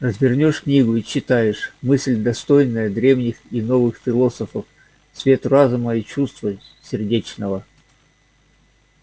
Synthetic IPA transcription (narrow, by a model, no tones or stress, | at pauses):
rəzvʲɪrnʲo̞ʂknʲiɡʊit͡ɕɪt̪ajɪʂmɨsʲlʲd̪ɐst̪o̞jnəjəd̪ɾʲe̞vnʲɪxino̞vɨxfʲɪlˠo̞səfəf | svʲe̞t̪razʊməit͡ɕust̪və | sʲɪrdʲet͡ɕnəvə